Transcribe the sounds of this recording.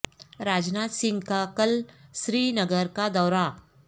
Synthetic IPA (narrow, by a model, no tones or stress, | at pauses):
ɾaːd͡ʒnaːt̪sɪ̃ŋɡkakɐlʃɾiːnɐɡəɾkad̪ɔːɾa